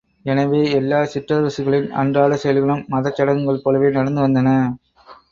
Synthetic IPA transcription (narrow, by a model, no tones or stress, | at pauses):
ɛnɐʋeːɛlːaːsɪʈrɐʋɐsɯɣɐɭɪnɐ̰ɳdraːɭɐsɛjɐlɣɐɭɯmːɐðɐt͡ʃːɐɽɐŋɡɐɭpːɔːɭɐʋeːnɐɽɐnd̪ɯʋɐnd̪ɐnɐ